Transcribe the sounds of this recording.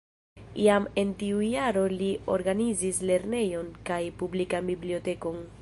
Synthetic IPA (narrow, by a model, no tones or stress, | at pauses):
iame̞ntiujaɾo̞lio̞̰ɾɡanizisle̞ɾne̞jo̞nkajpublikambiblio̞te̞ko̞n